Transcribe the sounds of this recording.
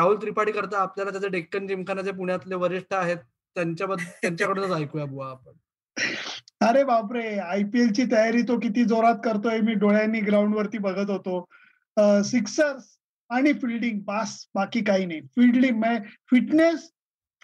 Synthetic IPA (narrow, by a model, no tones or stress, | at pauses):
ɾauːlt̪ɾipaɽiːkəɾt̪aːpljalat̪jat͡saɖekːənd͡ʑimkʰanat͡sep̬uɳjat̪leʋəɾiʂʈʰaːɦet̪ | t̪ːjaɲt͡ɕjabəd̪ʱt̪ːjaɲt͡ɕjakəɽõnət͡sajkujabuaːpəɳ | əɾebabɾeajpielt͡ɕiːt̪əjaɾiːt̪okit̪iːd͡zoɾat̪kəɾt̪oɦemiːɖoɭjaniːɡɾauɳɖʋəɾt̪iːbəɡʱət̪ɦot̪o | siksəɾs | aɽ̃ifilɖiŋɡ̚basbakiːkaɦiːnajfiɽɖiŋməfiʈnes